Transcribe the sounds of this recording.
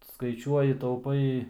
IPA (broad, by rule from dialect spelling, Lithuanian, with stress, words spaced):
skɐɪˈt͡ʃʲuɔjɪ tɐʊˈpɐɪ